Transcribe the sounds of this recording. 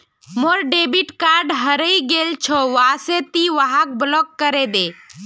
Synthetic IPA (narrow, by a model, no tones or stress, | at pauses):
moɾɖeːbiʈkaːɾɖɦəɾəiɡelt͡ʃʰɔʋaset̪iʋaɦak̚blɔkːəɾed̪e